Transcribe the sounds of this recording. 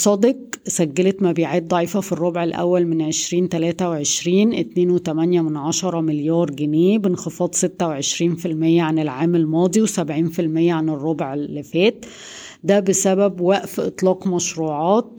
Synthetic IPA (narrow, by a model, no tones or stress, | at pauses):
sˤɑd̪eq̚sæɡːælæt̪mæbiːʕaːt̪̚d̪ˤɑʕiːfæfirˤːobʕelʔæ̰wːælmenʕeʃɾiːnt̪ælæːt̪æweʕeʃɾiːnʔɪt̪neːnwet̪æmænjæmenʕɑʃɑɾˤɑmɪljɑːɾˤɡeneːbenxefɑːd̪ˤset̪ːæweʕeʃɾiːnfilmejːæʕanelʕaːmelmɑːd̪ˤiwsæbʕiːnfilmejːæʕanerˤːobʕelːɪfæːt̪ | d̪æbesæbæbwæʔfʔḛt̪ˤlɑːqmæʃɾuːʕɑːt̪̚